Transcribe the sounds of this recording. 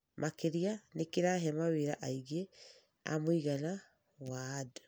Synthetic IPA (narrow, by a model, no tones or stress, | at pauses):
mʔakeɾianekeɾaɦɛmaweɾaʔaiɣe | a̰moiɣana | wadɔ